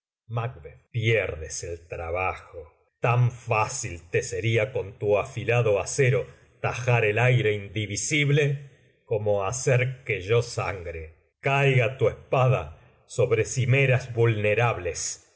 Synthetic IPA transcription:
mak̚βepjeɾðeselt̪ɾaβaxo | t̪aɱfasilt̪eseɾiako̞nt̪uafilaðo̞aseɾo̞ | t̪axaɾelajɾe̞ind̪iβisiβle | ko̞moaseɾkeʒosa̰ŋɡɾe | kajɣat̪uespaða̰ | so̞βɾe̞simeɾazβulneɾaβles

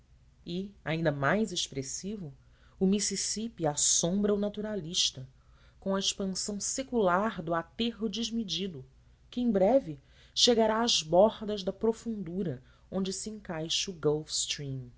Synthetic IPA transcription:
ɪaĩnd̪ɐmajzeʃpɾesivʊ | ʊmisisipiasõmbɾɐunat̪uɾaliʃt̪ɐ | kõw̃ɐeʃpɐ̃sɐ̃w̃sekulaɾd̪ʊat̪eɦʊd͡ʒiʒmid͡ʒid̪ʊ | kɪẽj̃bɾɛvɪ | ʃeɡaɾaːʒbɔhd̪ɐʒd̪ɐpɾofũnd̪uɾɐ | õnd͡ʒɪsiẽŋkajʃʊɡowfst̪ɾĩm

